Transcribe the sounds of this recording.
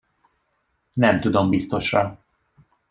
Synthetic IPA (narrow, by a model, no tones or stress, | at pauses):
nɛmt̪ud̪o̞mbist̪o̞ʃrɒ